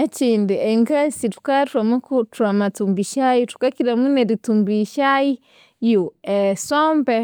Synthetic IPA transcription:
eciːndieŋɡasitu̥katɾamukutuamatumbiʃajutu̥kakiɾamuneɾitumbiʃaji | juesoːmbe

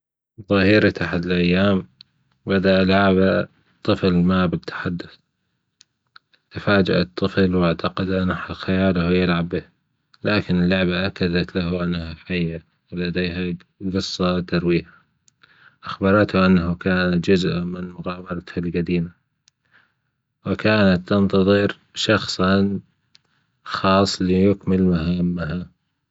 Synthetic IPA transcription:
ðˤɑhiːɾit̪aħad̪lʔajːaːm | bad̪aʔalaʕʕaba | t̪ˤːɨflmaːbɪt̪ʰːḁħad̪ːʊθ | t̪ɪfaːd͡ʒa̰ʔa̰t̪ˤːɨflwaʕt̪ɑqɑd̪ʔanaħaxajaːlahjɪlʕabːɪh | laːkɪnɪlːʊʕbaʔakːad̪at̪lahaʔanːahafajːa | wɪlad̪eːɦa | ɡɨsˤːɑt̪ɑɾwiːha | ʔaxbɑɾˤɑt̪haʔanːahakaːnat̪d͡ʒʊzʔamɪnmʊɣaːbɑɾˤɑt̪halɡad̪iːma | wɪkaːnat̪ːɑnt̪ɑðˤɨɾ | ʃɑxsˤɑn | xɑːsˤːlijʊkmɪlmaɦamːaɦa

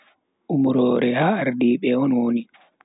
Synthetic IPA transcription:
ʔumɾɔːɾɛhaːɾdiːɓɛɔnwoni

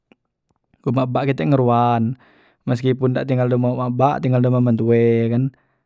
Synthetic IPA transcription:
umaʔbaʔkit̪ɛʔŋəɾuan | məskipundaʔt̪iŋɡaldomaumabaʔt̪iŋɡaldomamant̪uekan

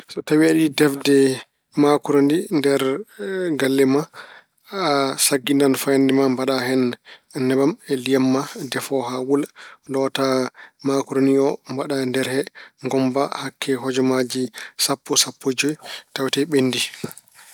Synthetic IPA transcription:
sɔtawiaɗidɛfdɛ | makuɾondindɛɾ | ɡalːɛma | asaɡːindanfajandɛmambaɗahɛnnɛbamɛliamːadɛfɔɦawuldɔtamakuɾoniɔmbaɗandɛɾhɛŋɡɔmbahakʰːɛɦɔd͡ʒɔmad͡ʒisapːɔsapʰːod͡ʒɔjtawtɛɓenːdi

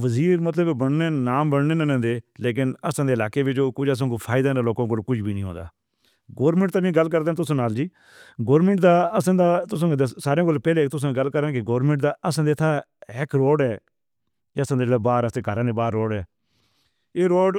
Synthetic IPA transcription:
ʋəziːɾmət̪ləbbəɳneːnaːmbəɽneːnənãːd̪eːleːk̬ɪnəsãːd̪eːɪlaːkeːʋɪt͡ʃoːkʊt͡ʃəs̬ãːkuːpʰaːɪd̪aːnːloːkãːkolkʊd͡ʒʰbiːnĩɦõ̰ːnd̪a̰ː | ɡoːɾmə̃ɳʈt̪aːnĩːɡəlk̬əɾd̪ẽːt̪ʊsãːnaːld͡ʒiː | ɡoːɾmə̃ɳʈd̪aːəsãːd̪aːt̪ʊs̬ãːd̪saːɾeãːkoːlpɛːleːt̪ʊs̬ãːɡəlːkəɾãːkɪɡoːɾmə̃ɳʈd̪aːəsãːd̪eːt̪ʰaːɪkɾoːɖɛː | əsãːd̪elaːbaːɾəseːkəɾãːneːbaːɾːoːɖɛː | eːɾoːɖ

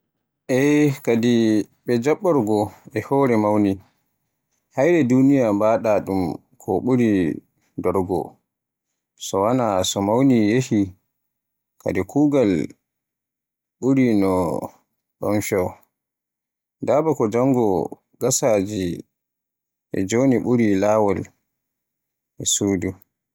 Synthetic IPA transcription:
ʔɛkadi | ɓɛd͡ʒaɓːɔɾɡɔɛhɔːɾɛmawni | hajɾɛdunijambaːɗaɗum | kʰɔɓuɾi | dɔɾɡɔ̰ | sɔwanasɔmawnijehi | kʰa̰dɛkʰuːɡal | ɓuɾinɔ | ɗɔ̰nfɛw | dabakɔd͡ʒaŋɡɔ | ɡasaːd͡ʒi | ʔɛ̰d͡ʒoniɓuɾilawɔl | ʔɛsuːdu

